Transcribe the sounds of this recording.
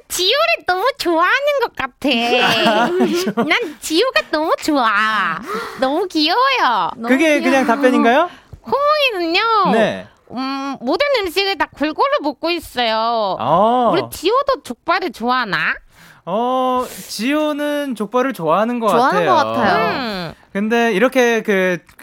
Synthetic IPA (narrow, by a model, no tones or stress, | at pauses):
t͡ɕioɾenʌmut͡ɕoaɦanɯnɡʌk͈̚atʰe | nant͡ɕijoɡanʌmut͡ɕoa | nʌmukiʌjʌkɯɡe̞kɯɲaŋtap͈jʌɲinɡajokʰomoŋinɯnone̞ | modɯnɯmɕ͈ʰiɡɯɭt̬ak͈uɭɡoɾɯɭmok̚k͈ois͈ʌjo | ɯɾit͡ɕiodot͡ɕok̚p͈aɾɯt͡ɕoana̰ | ʌt͡ɕionɯnt͡ɕok̚p͈aɾɯɭt͡ɕoaɦanɯnɡʌkaaneɡʌk͈atʰajo | kɯnde̞iɾʌkʰe̞kɯ